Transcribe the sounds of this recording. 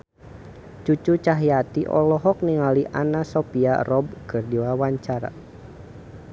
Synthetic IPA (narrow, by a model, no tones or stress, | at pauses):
t͡ʃut͡ʃut͡ʃaɦjat̪iʔɔ̰lɔɦɔk̚niŋaliʔa̰nasɔpia̰rɔb̚kɨrdiwawaɲt͡ʃaɾa̰